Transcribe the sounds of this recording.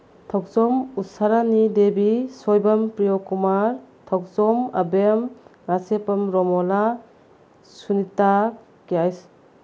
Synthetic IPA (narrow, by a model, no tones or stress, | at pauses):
tʰɔk̚zɔmusaɾanidebisɔjbɐmpɾijokumaɾtʰɔk̚sɔmɐ̰bemnasepɐmɾɔmɔla | sunita | kiajs